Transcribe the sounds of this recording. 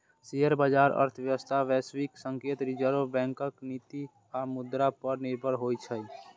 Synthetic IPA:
seɦəɾbaːd͡ʒaːɾə̰ɾt̪ʰəjəʋəst̪ʰaʋɛːswiksə̃ŋkeːt̪ɾid͡ʒəɾobɛ̃ːŋkəkniːt̪i | amʊd̪ɾapəɾnɪɾbʱəɾɦoːit͡ʃʰə

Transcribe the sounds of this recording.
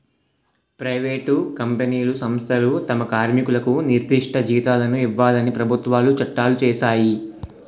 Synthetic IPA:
pɾɐjʋeːʈukɐmpeniːlusɐmst̪ʰɐlut̪ɐmɐkaːɾmikulɐkuniɾd̪iʂʈʰɐd͡ʒiːt̪aːlɐnuiʋːaːlɐnipɾɐbʱut̪ʋaːlut͡ʃɐʈːaːlut͡ʃɛːʃaːji

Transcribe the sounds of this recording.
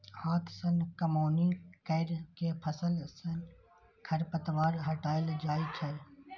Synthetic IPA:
hãːt̪ʰsənkəmoːnikəɪɾkepʰəsəlsən | kʰɐɾpət̪ʋaːɾɦəʈaːjəld͡ʒaːit͡ʃʰɐ

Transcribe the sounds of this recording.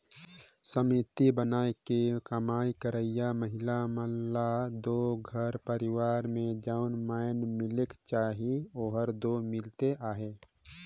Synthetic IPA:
səmit̪ibənaːekekəmaːikəɾəɪjaməɦɪlaməlːad̪oɡʱəɾpəɾɪwaːɾmẽd͡ʒaːʊnmaːjnmɪlekt͡ʃaːɦioːɦəɾd̪omɪlt̪eʔaːɦeː

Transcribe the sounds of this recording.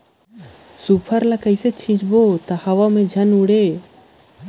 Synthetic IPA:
supʰəɾlakəjset͡ʃʰĩt͡ʃbot̪ahɐʋamẽd͡ʒʱɐnuɽe

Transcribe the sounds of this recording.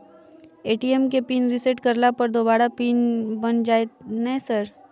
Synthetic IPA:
eːʈiemkepiːnɾɪseʈkəɾlapɐɾd̪oːbaːɾapiːnbɐnd͡ʒaːenɛsəɾ

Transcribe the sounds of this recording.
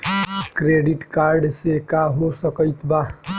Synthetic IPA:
kɾeɖiʈkaɾɖsekaɦosəkəjt̪ba

